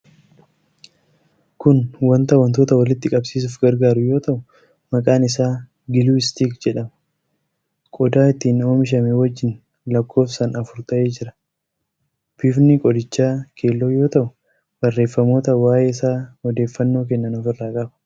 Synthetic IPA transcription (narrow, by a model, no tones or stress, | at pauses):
kʊnwɐnt̪ɐwɐnt̪o̞ːt̪ɐwɐlɪt̪ːɪkʼɐbsiːs̬ʊfɡɐɾɡaːɾʊjo̞ːt̪ɐʔʊ | mɐkʼaːnɪsaː | ɡɪluːɪst̪iːkd͡ʒɛᶑɐmɐ | kʼɔd̪aːɪt̪ːiːno̞ːmɪʃ̬ɐmeːwɐd͡ʒːɪn | lɐkʰːo̞ːfsɐnɐfʊɾt̪ɐʔe̞ːd͡ʒɪɾɐ̥ | b̥ɪfnɪkʼɔd̪ɪt͡ʃːaːkʰe̞ːlːoːjo̞ːt̪ɐʔʊ | bɐrːe̞ːfːɐmoːt̪ɐwaːjeːɪsaːɔd̪e̞ːfːɐnːo̞ːk̬ɛnːɐnɔfɪrːaːkʼɐbɐ̥